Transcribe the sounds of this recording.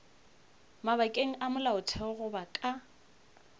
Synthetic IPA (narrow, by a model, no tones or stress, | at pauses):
maβakʼeŋ̩ʔamʊlaʊtʰɛɣʊbakʼa